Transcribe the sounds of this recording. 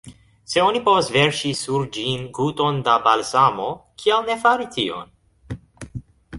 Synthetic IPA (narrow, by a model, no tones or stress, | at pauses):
se̞o̞nipo̞vasve̞ɾʃisuɾd͡ʒinɡuto̞ndabalsamo̞kʰialne̞faɾitʰio̞̰n